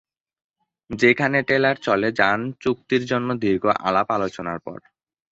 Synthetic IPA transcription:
d͡ʑekʰaneʈelaɾt͡ɕɔled͡ʑant͡ɕuk̚t̪iɾd͡ʑonːod̪ʱiɾɡoʔa̰lapalot͡ɕonaɾpɔ̰ɾ

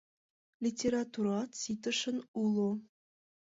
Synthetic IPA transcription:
lʲitʲeɾɑt̪uɾɑsit̪ə̆ʃə̆nulˠo

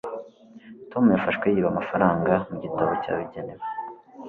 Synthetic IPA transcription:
to̞mujafaʃkwejiβamafaɾaːŋɡamuɟitaβoca̰ːβiɟenewe

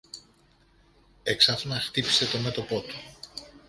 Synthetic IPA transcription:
eksɐfnɐxt̪ipi̥se̞t̪o̞me̞t̪o̞po̞t̪u̥

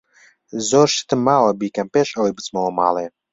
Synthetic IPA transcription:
zoːɾʃɨ̥t̪ɨmːaːwɐbiːkɐmpeːʃɐwejbɨt͡smowɐma̰ːlˠeː

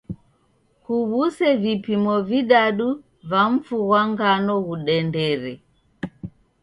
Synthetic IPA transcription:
kuβusɛvipimɔviɗaɗu | vaɱ̩fuɣwaŋɡanɔɣuɗɛndɛɾɛ

